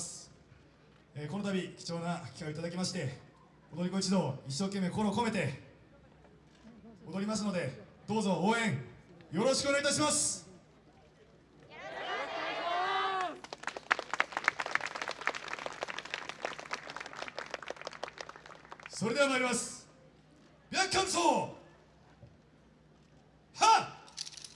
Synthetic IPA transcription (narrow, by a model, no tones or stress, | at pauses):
s | eko̞no̞t̪̬abʲikʲi̥t͡ɕo̞ːnakʲi̥kaoit̪ad̪akʲimaɕi̥t̪e̞ | od̪o̞ɾʲiko̞it͡ɕid̪o̞iɕ̬ːo̞ːke̞mːe̞kokoɾoːko̞me̞t̪e̞ | od̪o̞ɾʲimas̬ɨno̞d̪e̞d̪̥o̞ːzo̞oːẽ̞ŋjo̞ɾo̞ɕi̥kɯoeait̪aɕimasɨ̥ | so̞ɾe̞d̪e̞amaiɾimasɨ̥ | bʲjakːãnsoː | ha